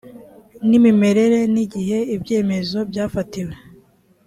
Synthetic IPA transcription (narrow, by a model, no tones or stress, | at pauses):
nimime̞ɾe̞ɾe̞niɟiɦe̞ibɟe̞ːme̞zo̞bjaːfatiwe